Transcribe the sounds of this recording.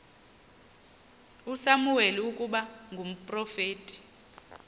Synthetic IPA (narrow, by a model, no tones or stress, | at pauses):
usamuweliukʼuɓaŋɡʱum̩pʼrɔfeːtʼi̥